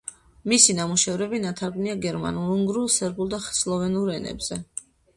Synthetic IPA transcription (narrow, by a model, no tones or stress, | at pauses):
misinamuʃɛvɾɛbinat̪ʰaɾɡniaɡɛɾma̰nulˠuŋɡɾulˠsɛɾbulˠd̪aχslˠɔvɛnuɾɛnɛ̰bz̥ɛ